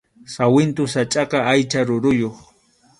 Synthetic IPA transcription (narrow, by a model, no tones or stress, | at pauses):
sawɪnt̪ʊsat͡ʃʼɑqɑajt͡ʃaɾʊɾʊjoχ